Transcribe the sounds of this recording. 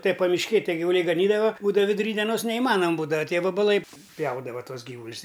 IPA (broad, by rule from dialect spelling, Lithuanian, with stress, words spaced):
tɐɪ pɐmʲɪʃʲˈkʲeːj ˈtʲiɛ ɡʲɪʋʊˈlʲɛɪ ɡɐˈnʲiːdɐʋɐ ˈbuːdɐʋɐ ʋʲɪdʊˈrʲiː dʲiɛˈnoːs nʲɛɪˈmɑːnɐm ˈbuːdɐʋɐ ˈtʲiɛ ʋɐbɐˈlˠɐɪ ˈpʲjɛʊdɐʋɐ ˈtuɔs ˈɡʲiːʋʊlʲɪs